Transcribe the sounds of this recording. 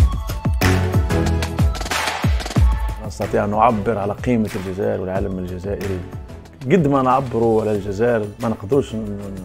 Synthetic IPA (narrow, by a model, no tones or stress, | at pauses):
nɑst̪ɑt̪ˤiːʕʔænːʊʕabːəɾʕalæqiːməlʒæzæ̰ːʔəɾwɪlʕalmɪlʒæzæːʔəɾi | ɡʊd̪ːmænʕabːəɾuwalælʒæzæːʔɾmænqd̪uʃ